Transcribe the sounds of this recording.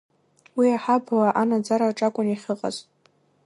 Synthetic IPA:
wiaħablaʔanad͡zaɾaʈ͡ʂʼakʷʼʊniχʲɨqʼa̰ztʼ

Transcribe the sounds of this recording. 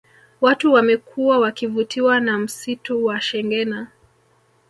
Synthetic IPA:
watuwamɛkʰuawakivutiwanam̩situwaʃɛŋɡɛna

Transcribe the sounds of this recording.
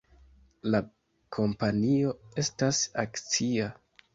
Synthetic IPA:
la | kʰo̞mpanio̞e̞stasa̰kt͡sia

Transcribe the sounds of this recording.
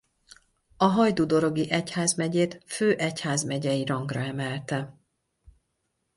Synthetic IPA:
ɒɦɒjd̪uːd̪o̞ɾo̞ɡiʔɛchaːzmɛɟeːt̪føːʔɛchaːzmɛɟɛjiɾɒŋɡrɒɛmɛlt̪ɛ

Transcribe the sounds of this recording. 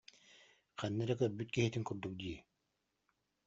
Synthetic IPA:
qænːɛɾɛkœɾbyt̪̚kiɦit̪iŋkuɾd̪uk̚d̪iɛ

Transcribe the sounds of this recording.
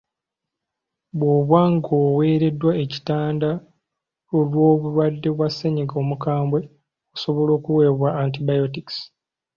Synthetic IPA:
βwoβwaŋɡowe̞ːɾe̞dːwaeci̥taːnda | olwo̞ːβulwadːe̞βwasːeɲiɡo̞mukaːmbwe̞ | oso̞βo̞lo̞ːkuwe̞ːβwaːntibajotiks

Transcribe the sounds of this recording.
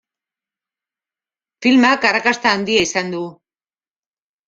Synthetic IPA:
filmakarakast̪aːnd̪iaisand̪u

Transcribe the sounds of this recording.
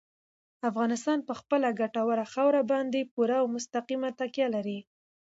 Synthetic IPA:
afɣɑnɪst̪ɑnpəxpəlaɡaʈawəɾaxawɾabɑnd̪epuɾawmʊst̪aqimat̪akjalaɾi

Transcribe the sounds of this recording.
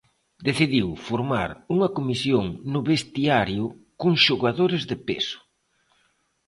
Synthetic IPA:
d̪eθiðiwfoɾma̰ɾuŋɐkomisjoŋnʊβest̪iaɾjʊkʊŋʃoɣaðoɾɪzðɪpḛsʊ̥

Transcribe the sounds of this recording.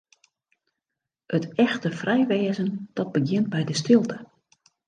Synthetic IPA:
ətɛxtəfrɛjʋeːzənd̥ɔt̚bəɡjɪnt̚bɛjdəstɪlˠtə

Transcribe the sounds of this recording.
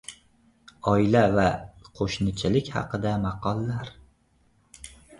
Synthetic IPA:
ɒɪlavaqʰoʃnɪt͡ʃʰɪlɪkʲhɑ̰qɨd̪amɑqʰɒlˠːaɾ

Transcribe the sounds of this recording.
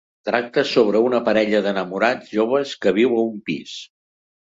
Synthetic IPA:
t̪ɾak̚t̪əsoβ̞ɾəunəpəɾɛʎəðənəmuɾaʒoβ̞əskəβiwəumpis

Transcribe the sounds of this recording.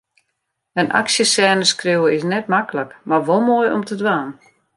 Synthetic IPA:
əna̰ksjəsɛːnəskriwəɪsnɛt̚makələkmarʋolˠmoːjɔ̰mtʰədʋaːn

